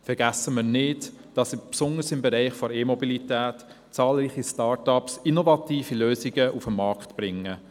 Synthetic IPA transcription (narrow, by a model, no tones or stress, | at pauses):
fɛɾɡ̥æsəməɾnɪdd̥ɑsipsʊnəɾsɪmbɛɾɛɪχfɔɾeːmɔbilitæːt | t͡sɑːlɾiːχistɑːɾtɑpsinɔvɑtiːfiløːziɡəʔufəmːɑɾkχtb̥ɾɪŋːə